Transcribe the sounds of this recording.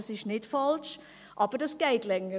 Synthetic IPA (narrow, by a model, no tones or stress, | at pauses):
sɪʃnɪtfɑlʃ | ʔɑːb̥əɾdɑsɡ̥ɛɪtlɛŋə